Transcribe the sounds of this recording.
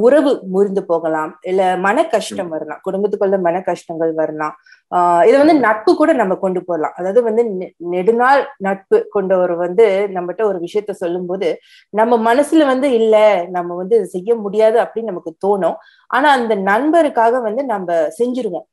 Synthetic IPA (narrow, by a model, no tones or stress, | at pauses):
ʊɾɐʋɯmʊɾɪnd̪ɯpoːɣɐlãːmɪlːɐmɐnɐkːɐʂʈɐmʋɐɾɐlã̰ːkʊɽʊmbɐt̪ːɯkːɔlːɐmɐnɐkːɐʂʈɐŋɡɐɭʋɐɾɐlãː | ɪðɐʋɐnd̪ɯnɐʈ̚pɯkːuːɽɐnɐmːɐkɔɳɖɯpoːɾɐlã̰ːʔɐðaːʋðɯʋɐnd̪ɯnɛɽɯnaːlnɐʈ̚pɯkɔɳɖɐɔɾɯʋɐnd̪ɯnɐmbɐʈːɐɔɾɯʋɪʂɐjɐt̪ːɛsɔlːɯmpoːðɯ | nɐmːɐmɐnɐsɪlʋɐnd̪ɯɪlːɐnɐmːɐʋɐnd̪ɯsɛjːɐmʊɽɪjaːðɯɐpːɐɽɪinɐmɐkːɯt̪oːɳõː | ʔa̰ːnaːɐnd̪ɐnɐɳbɐɾɯkːaːɣɐʋɐnd̪ɯnɐmbɐsɛɲd͡ʒɪɾɯʋõː